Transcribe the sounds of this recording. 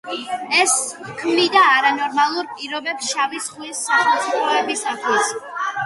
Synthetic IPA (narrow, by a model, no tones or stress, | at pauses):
ɛs | kʰmnid̪aːɾanɔɾmalˠuɾpʼiɾɔbɛpsʃavisχlisːaχɛmt̪sʰit̪ʰlɔɛbisat̪ʰwis